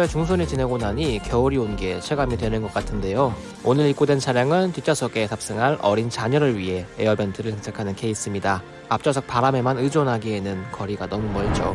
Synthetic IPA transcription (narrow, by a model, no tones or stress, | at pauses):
et͡ɕuŋsʰonit͡ɕineɡonɦaɲikjʌuɾionɡe̞ɕʰeɡamidwe̞nɯnɡʌk͈atʰɯnde̞jo | onɯɾik͈odwe̞nt͡ɕʰaɾjaŋɯntit͡ɕ͈ʰasʰʌɡe̞sʰap̚s͈ɯŋɦaɾʔʌ̰ɾint͡ɕaɲʌɾɯɭɥiɦe̞eʌbentʰɯɾɯɭsʰeŋsʰakʰanɯnkʰe̞is͈ɯmɲida | ap̚t͡ɕ͈ʌs̬ʰʌk̚paɾame̞manɯd͡ʑonɦaɡienɯnkʌɾiɡanʌmumʌɭd͡ʑo̰